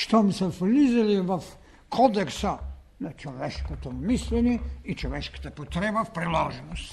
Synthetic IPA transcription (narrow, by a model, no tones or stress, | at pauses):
ʃt̪omsɛfliziliʋaf | kʰod̪eksa | nat͡ʃoʋeʃkot̪ommislʲeniit͡ʃoʋɛʃki̥t̪ɛpot̪ɾebafpɾilaʒɛnost̪